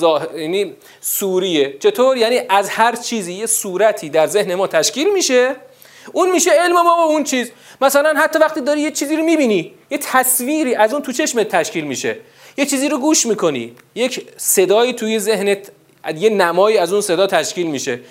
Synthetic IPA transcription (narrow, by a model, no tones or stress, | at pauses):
ɒːjæniː | suːɾijet͡ʃʰe̞t̪ʰoːɾjæniːʔæzhæɾt͡ʃʰiːziːjesuːɾæt̪ʰiːd̪æɾze̞hne̞mɒːt̪ʰæʃkiːlmiːʃe | ʔunmiːʃe̞e̞lme̞mɒːbount͡ʃʰiːz | mæsælænɦæt̪ʰːɒːvæxt̪iːd̪ɒːɾiːjet͡ʃʰiːziːɾomiːbiːnijet̪ʰæsviːɾiːʔæzuːnt̪ʰut͡ʃʰe̞ʃmet̪ʰːæʃciːlmiʃe̞̰ | jet͡ʃʰiːziːɾoɡuːʃmiːkʰo̞nḭː | je̞cse̞d̪ɒːjiːt̪ʰujezehne | jenæmɒːiːæzunse̞d̪ɒːt̪ʰæʃciːlmiːʃe̞